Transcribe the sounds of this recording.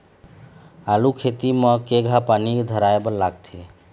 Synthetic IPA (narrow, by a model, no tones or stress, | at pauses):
alukʰet̪imə̃keɡʱapanikd̪ʱəɾaebəlaɡt̪ʰie